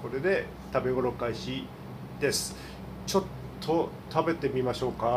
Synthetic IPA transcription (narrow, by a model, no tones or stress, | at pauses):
ko̞ɾe̞d̪e̞ | t̪abe̞ɡo̞ɾo̞kaiɕi | d̪e̞sɨ̥ | t͡ɕo̞t̪ʰːo̞t̪abe̞t̪e̞mʲimaɕo̞ːka